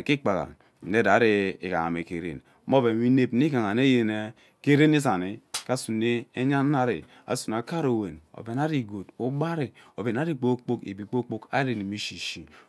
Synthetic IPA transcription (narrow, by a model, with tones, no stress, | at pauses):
ki˦k͡pa˨ɣa̰˨ | e˦da˨˦ɾi˦i˨ka̰˨ŋa̰˨me˨ke˨ɾḛ˨n | mo˦be˨mi˦ne˦˨pni˦ka˨ŋa˨ne˦je˨ne˦ | ke˦ɾe˦ni˦s̬a˨ni˨ka˦su˨ne˦e˦ɲa˦na˦ɾḭ˨ | a̰˨su˨n˨a˨ka˦ɾo˨we˨no̰˨be˨na˦ɾi˨ɡo˨tu˦ba˦ɾi˨o˨be˨n˦a˦ɾi˦k͡po˦k͡po˦kḛ˨bi˨k͡po˦k͡po˦ka̰˦ɾi˨ni˨mi˦ʃi˨ʃi˨